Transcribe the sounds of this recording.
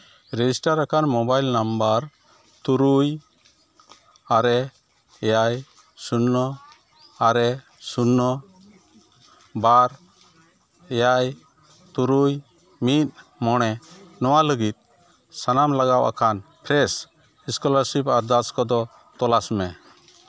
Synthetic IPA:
ɾɛd͡ʒisʈaɾakanmɔbajlnambaɾ | t̪uɾuj | aɾɛ | ɛjaj | sunːɔ | aɾɛ | sunːɔ | baɾ | ɛjaj | t̪uɾuj | mit̪̚mɔɽ̃ɛnɔwaləɡit̪̚ˀ | sanamlaɡawʔa̰kʰanpʰɾɛs | iskɔlaɾsipaɾd̪askɔd̪ɔ | t̪ɔlasmɛ

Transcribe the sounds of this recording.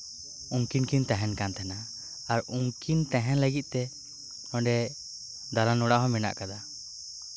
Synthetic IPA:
uŋkinkint̪ɛ̃ɦɛnkant̪ʰɛna | aɾuŋkint̪ɛ̃ɦɛnləɡit̪̚ˀt̪ɛ | ɔɳɖɛ | d̪alanɔɽaʔɦɔ̃mɛna̰ʔkad̪a

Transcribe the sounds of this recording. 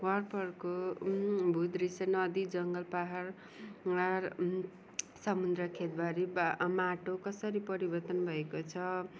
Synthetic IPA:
wʌrpʌrko | bʱut̪ɾisʌnʌd̪id͡zʌŋɡʌlpaɦar | ar | sʌmud̪ɾʌkʰet̪̚baɾimaʈokʌsʌɾipʌɾibʌrt̪ʌnbʱʌekot͡sʰʌ

